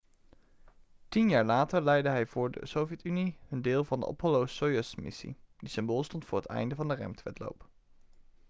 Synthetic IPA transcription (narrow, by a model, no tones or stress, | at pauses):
tinjaːɹlaːtəɹlɛjdəɦɛjvʊːɹdə̰sowvjɛtyniəndɪːlˠvɑndə̰ʔɔ̰pʰɔlowsojəsmɪ̰sḭd̥isɪmboːlˠstɔntfʊːɹɦətɛ̰jndəvɑndərɛ̰mtʋɛtlo̰wp